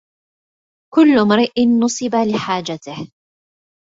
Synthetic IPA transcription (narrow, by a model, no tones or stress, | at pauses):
kʊlːʊmɾɪʔɪnːʊsˤɨbalɪħaːd͡ʒat̪ɪh